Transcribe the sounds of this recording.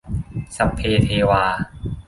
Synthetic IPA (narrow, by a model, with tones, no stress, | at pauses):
sa˧˥pʰːeː˧t̪ʰeː˧waː˧